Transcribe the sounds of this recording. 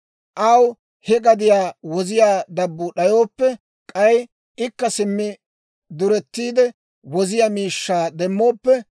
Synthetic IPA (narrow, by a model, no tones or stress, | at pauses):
ʔɐw | hɛɡɐd̪ɪjaːwɔzɪjaːd̪ɐbːʊɗɐjo̞ːpːɛ | kʼɐj | ɪkːɐsɪmːɪ | d̪ʊɾɛt̪ːiːd̪ɛ | wɔzɪjaːmiːʃːaːd̪ɛmːo̞ːpːɛ